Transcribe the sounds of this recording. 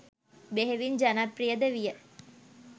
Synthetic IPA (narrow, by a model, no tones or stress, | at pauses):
beɦeʋind͡ʒanaprijəd̪əʋijə